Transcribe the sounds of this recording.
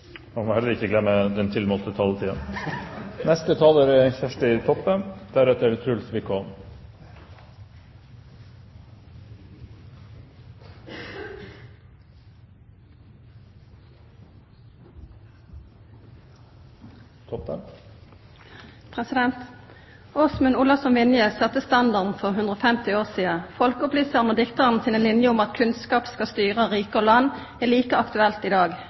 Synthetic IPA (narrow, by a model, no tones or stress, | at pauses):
mɑnmohɛləɾɪçəɡlɛmːəd̪ɛnt̪ʰɪlmoːlt̪ət̪ʰɑːlət̪ʰiːən | nɛst̪ət̪ʰɑːləɾɛçæʂʈɪt̪ʰɔpːənd̪̥æɾɛt̪əɾt̪ʰɾʉlsʋɪkʰon | ɔə | pʰʁɛsɪd̪ɛnt̪ | osmʉnuːlɑsɔmʋɪnjəsɑt̪əst̪ɑnd̪ɑʁd̪n̩fɔʁɦʉnd̪ʁoːfɛmt̪ɪoːʁsiːəfɔlkəʊplyːsəʁnoːd̪ɪkt̪əʁn̩siːnəlɪnjəʊmɑt̪kʰʉnskɑːpskɑst̪yːʁəʁiːkəolɑn | æːliːkəɑkt̪ʉɛlt̪iːd̪ɑːɡ